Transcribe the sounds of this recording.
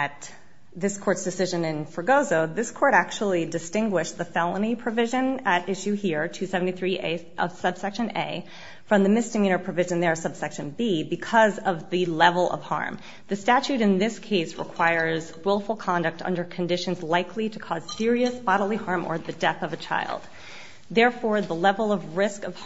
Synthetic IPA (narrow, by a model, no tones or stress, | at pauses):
ɨt̪̚ | ðɪskʰɔɹtsd̥ɨsɪʒɨ̃nɪ̃nfə˞ɡoʊzoʊðɪskʰɔɹɾæk̚t͡ʃul̩ˠidɨstɪ̃ŋɡwɪʃðɨfɛlˠə̃nipʰɹ̥ɨvɪʒɨ̃nɨɾɪʃʉhiɹtʰɨsɛvn̩tiθɹiʔeɪ | ʔʌ̰v̥sʌb̥sɛkʃɨ̃neɪ | fɹʌ̃mðɨmɪsd̥ɨmĩñə˞pʰɹ̥ɨvɪʒɨ̃nðə˞ʌ̥sʌb̥sɛkʃɨ̃nbibɨkʰʌzʌvðɨlɛvl̩ˠʌ̰v̥hɑ̰ɹm | ðɨstæt͡ʃʉɾɨ̃nðɪskʰeɪsɹə̰kʰw̥aɪə˞zwɪlˠfl̩ˠkʰɑ̃ndɨk̚tʌ̰̃ndə˞kʰɨ̃ndɪʃɨ̃n̩zlaɪkʰliɾɨkʰɔz̥sɪɹiɨsb̥ɑɾl̩ˠihɑɹmʔə̰˞ðɨdɛθʌvɨt͡ʃʰa̰ɪlˠd̪̥̚ | ðɛɹfɔɹðəlɛvl̩ˠʌvɹɪskʌv̥